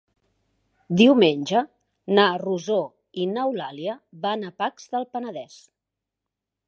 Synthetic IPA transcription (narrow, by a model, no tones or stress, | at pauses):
d̪iwmenʲd͡ʒə | naruzo | inəwlaliəβanəpakz̥ðəlˠpənəðɛs